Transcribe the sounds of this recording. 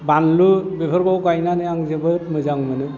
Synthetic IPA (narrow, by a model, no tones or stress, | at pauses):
banlubepʰɯɾɡɔwɡajnanɯjaŋzɯbɯɾmɯzaŋmɯnɯ